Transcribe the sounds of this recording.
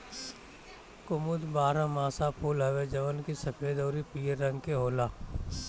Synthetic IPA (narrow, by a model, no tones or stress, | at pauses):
kʊmʊd̪baːɾãmaːsapʰuːlɦɐʋed͡ʒɐʋənkisɐpʰeːd̪ɔːɾipiːɾːɐ̃ŋɡkeɦoːlaː